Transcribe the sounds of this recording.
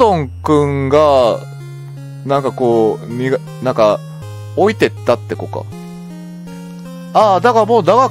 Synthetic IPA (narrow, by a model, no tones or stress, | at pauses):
õ̞ŋkɯ̟̃ŋɡa | nãŋkako̞ːmʲiɡ | nãŋka | o̞it̪e̞t̪ːat̪ːe̞ko̞̰ka̰ | aːd̪akaɾmoːd̪aɡa